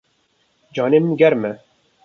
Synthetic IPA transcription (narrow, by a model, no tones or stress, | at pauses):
d͡ʒɑːneːmɨnɡɛɾmɛ